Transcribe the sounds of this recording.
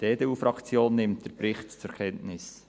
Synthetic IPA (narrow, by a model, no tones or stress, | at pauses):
d̥eːdeːuːfɾɑkt͡sjoːnːɪmt̚d̥əɾpɾɪχtt͡sʊɾkʰɛntnɪs